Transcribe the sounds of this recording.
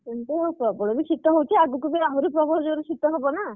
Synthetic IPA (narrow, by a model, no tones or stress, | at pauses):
enʈ̪eɦowpɔbɔɽɔbisʰit̪ɔɦowt̪ʰiaɡukubiaɦuɾupɾɔbʱɔd͡ʒɔɾesit̪ɔɦebɔna